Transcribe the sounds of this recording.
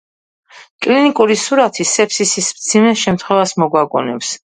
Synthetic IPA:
kʼlinikʼuɾisuɾat̪ʰisɛpʰsisismd̪z̥ʰimɛʃɛmt̪ʰχwɛvasmɔɡwaɡɔ̰nɛps

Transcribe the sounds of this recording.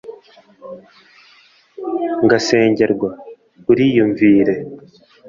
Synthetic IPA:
ŋɡase̞ːɲɟe̞ɾɡwa | uɾijuɱviːɾe̞

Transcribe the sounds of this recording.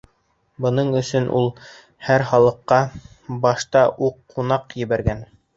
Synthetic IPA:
bɤ̆nɤɴɵ̆sɵnʔṵlˠ | hæɾχɑlˠɤ̆qːɑ | bɑʃt̪ɑʔuqːunɑqjɘ̆βæɾɡæn

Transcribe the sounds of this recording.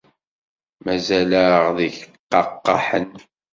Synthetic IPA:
mæzæləʁðiçqːɑqːɑ̰ħən

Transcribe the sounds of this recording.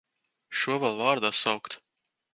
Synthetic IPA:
ʃuɔvalˠvaːɾd̪aːsawkt̪

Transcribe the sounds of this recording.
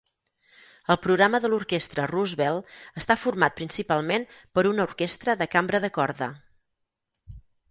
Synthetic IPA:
əlˠpɾuɣɾaməðəluɾkest̪ɾəruzβɛlˠəst̪afurmat̪̚pɾinsipalˠmenpəɾunəuɾkest̪ɾəðəkambɾəðəkɔɾðə̰

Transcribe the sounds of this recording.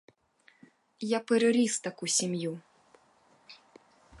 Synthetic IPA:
japɨɾɨɾʲist̪ɐkusʲimju

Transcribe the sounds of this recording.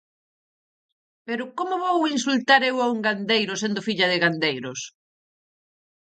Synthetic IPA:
peɾʊkomoβowinsult̪aɾewauŋɡand̪ejɾʊsend̪ʊfiʎɐðɪɣand̪ejɾʊs

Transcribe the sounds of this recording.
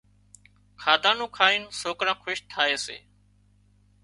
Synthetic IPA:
kʰaːd̪ãːnũːkʰaːiːnsoːkɾãːkʰʊʃt̪ʰaːeːsḛː

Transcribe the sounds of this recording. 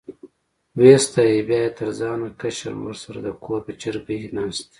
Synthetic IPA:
west̪ajebjɑːjet̪əɾzɑːnakaʃa̰ɾwə̰ɾsaɾa̰d̪əkʰoːɾpət͡ʃɪɾbiinɑːst̪

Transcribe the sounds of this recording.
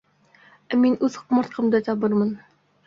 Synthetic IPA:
æminʉðqmɤ̆ɾt̪̚qʰɤ̆md̪ɤt̪ʰɑbɤɾmɤn

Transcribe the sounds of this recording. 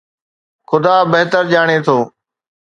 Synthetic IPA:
xʊd̪aːbeɦt̪əɾʄaːɽ̃eːt̪ʰoː

